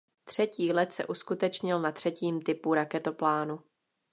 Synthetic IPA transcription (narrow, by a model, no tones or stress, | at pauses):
t̪r̝̥ɛciːlɛt̪sɛ̰ʔuskut̪ɛt͡ʃɲɪlnat̪r̥ɛciːmt̪ɪpuɾakɛt̪o̞plaːnu